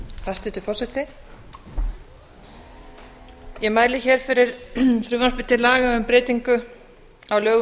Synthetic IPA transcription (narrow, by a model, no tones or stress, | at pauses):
hast̪ʏt̪ɪfɔr̥sɛt̪ɪ | jɛmaːjlɪçɛːɾ̥fɪɾɪɾfɾʏːvanspɪ̥t̪ːɪlaːɣaʏmpɾɪːt̪iŋkʏ | awlœːɣ